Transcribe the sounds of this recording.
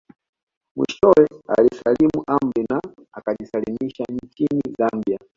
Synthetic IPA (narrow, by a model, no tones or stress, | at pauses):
mwḭʃɔwɛa̰lisalimuʔambina | akaʄisalimiʃaɲt͡ʃinizambia